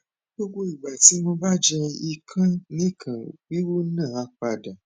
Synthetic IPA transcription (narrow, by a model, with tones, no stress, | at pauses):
ɡ͡bo˦ɡ͡bo˦i˨ɡ͡ba˨ti˨˦mõ˧ba˦d͡ʒɛ̃˧i˧kʰã˦nĩ˦kʰã˨ɡ͡bi˦wo˦nãː˦˨a˦k͡pa˧da˨